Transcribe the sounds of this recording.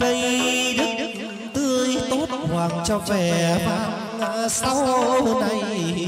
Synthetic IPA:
tə˧jɗɨ˦˥k̚ | t̪ɨ˧əjt̪o˦˥t̚hwaː˨˩k̚t͡ɕɔ˧vɛ˧˩faː˨˦˥ | laː˧˥sa˧˦wna˧j

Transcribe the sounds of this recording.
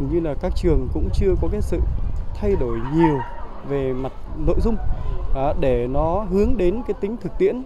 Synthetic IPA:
ŋɲɨ˧laː˨˩kaː˦˥k̚t͡ɕɨ˨˩əŋkʊ̰˧˥ŋ͡mt͡ɕɨ˧əkɔ˨˦kaː˨˦sɨ̰˧˨t̪ʰa˧jɗo˧˩jɲi˨˩əw | ve˨˩ma˨˩t̚no̰˧˨jzʊ˧ŋ͡mʔɗe˧˩nɔ˨˦ɦɨ˨˦əŋɗe˨˦nkaː˨˦jt̪ï˨˦ŋ̟t̪ʰɨ˨˩k̚t̪ḭ˧˨ən

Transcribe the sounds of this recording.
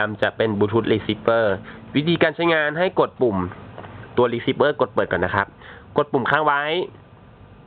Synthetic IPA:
a˧mt͡ɕa˨˩ʔpe˧˨nbuː˧t̪ʰu˦˥t̪̚liː˧si˦˥p̚ːɤː˧˩wi˦˥t̪ʰiː˧kaː˧nt͡ɕʰa˦˥jŋaː˧nɦa˥˩jko˨˩t̪̚pu˨˩mt̪u˧ɐliː˦˧˥si˦˥p̚ʔɤː˥˩ko˨˩t̪̚pɤː˨˩t̚kɔː˨˩na˦˥kʰa˦˥p̚ko˨˩t̪̚pːu˨˩mkʰaː˧˥˩ŋwa˦˥j

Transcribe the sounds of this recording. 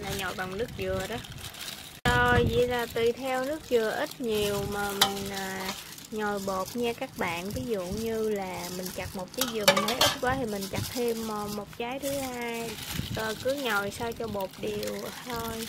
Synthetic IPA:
laː˨˩ɲɔ˨˩jva˨˩wŋ͡mnɨ˦˥ək̚zɨ˨˩əɗɔ˨˦ | to˧jzḭ˧˨zaː˨˩t̪ɨ˧˩t̪ʰɛ˧wnɨ˦˥ək̚zɨ˨˩əʔi˦˥t̚ɲi˨˩əwmaː˨˩mï˨˩ŋ̟ʔaː˨˩ | ɲɔ˨˩jɓo˨˩p̚ɲaː˧kaː˦˥k̚ɓa̰ː˧˨nvi˨˦zṵ˧˨ɲɨ˧laː˨˩mï˨˩ŋ̟t͡ɕa˨˩k̚mo˨˩t̚kiː˨˦zɨ˨˩mï̟˨˩t̪ʰə˨˦jʔi˦˥t̚kwaː˨˦t̪ʰi˨˩mï˨˩ŋ̟t͡ɕa˨˩k̚t̪ʰe˧mː˨˩mo˨˩t̚t͡ɕaː˨˦jt̪ʰɨ˨˦haː˧jəː˨˩kɨ˨˦ɲɔ˨˩jsaː˧wt͡ɕɔ˧ɓo˨˩p̚ɗi˨˩əwt̪ʰo˧j

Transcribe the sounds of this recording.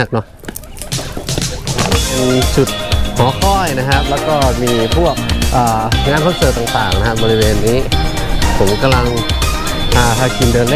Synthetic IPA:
a˧˥˩k̚nɔ˧˥˧ | e˧nsu˨˩t̪̚hɔː˩˦kʰɔː˥˩jna˦˥kʰa˦˥p̚lɛː˦˥wkɔː˥˩miː˧pʰu˥˩ək̚ʔɤː˨˩ŋaː˧˥˨nkʰɔ˥˩msɤː˨˩t̪aː˨˩ŋt̪aː˨˩ŋna˦˥kʰa˦˧˥bɔː˧i˦˥weː˧nːiː˦˥ | pʰo˩˦mka˧mla˧ŋ | hʰaː˧˩kʰa˧˩ki˧ndɤː˧nl

